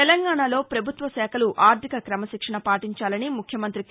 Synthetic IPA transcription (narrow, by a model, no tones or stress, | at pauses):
ɛlɐŋɡaːɳalo̞ːpɾɐbʱut̪ʋɐsɛːkʰɐluʔaːɾt̪ʰikɐkɾɐmɐʃikʂɐɳɐpaːʈiɲt͡ʃaːlɐnimukʰjɐmɐnt̪ɾik